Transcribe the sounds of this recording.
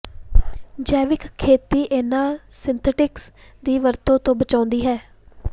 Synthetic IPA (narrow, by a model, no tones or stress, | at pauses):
d͡ʒɛːʋɪkkʰːeːt̪iːʔenãː | sɪnt̪ʰəʈɪks | d̪iːʋəɾt̪õːt̪õːbət͡ʃaːʊnd̪iːɦɛː